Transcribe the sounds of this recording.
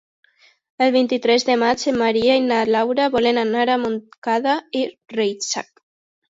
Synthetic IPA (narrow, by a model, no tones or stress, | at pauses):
elβint̪it̪ɾɛzðemat͡ʃemaɾiainalawɾaβɔlenanaɾamonkaðairejt͡ʃa̰k